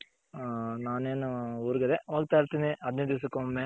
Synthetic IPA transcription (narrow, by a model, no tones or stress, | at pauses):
naːneːnuuːɾɡɐd̪eʋoːɡ̚t̪aːjiɾt̪iːniʔɐd̪ned̪is̬ɐkːoːmẽ